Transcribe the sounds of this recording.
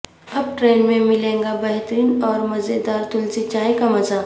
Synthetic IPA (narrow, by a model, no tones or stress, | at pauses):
ɐb̚ʈɾeːnmẽmɪlẽːŋɡabɛɦt̪ɾiːnɔːɾmɐzed̪aːɾt̪ʊlzit͡ʃaːekamɐza